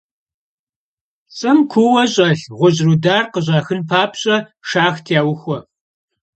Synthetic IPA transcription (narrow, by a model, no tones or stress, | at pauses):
t͡sʼɐmkʷʰʊwɐɕʼɐɬʁʷʊʑrudaːrqəʑʷʼɑːxɨnpʰaːpʰɕʼɐʂaːxtʰjaːwʊxʷɔ